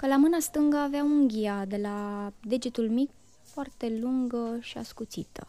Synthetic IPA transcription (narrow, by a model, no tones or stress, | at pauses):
kəlamɨnast̪ɨŋɡəaveauŋɡʲiad̪e̞lad̪e̞d͡ʒit̪ulmik | foart̪e̞luŋɡəʃia̰skut̪sit̪ə̰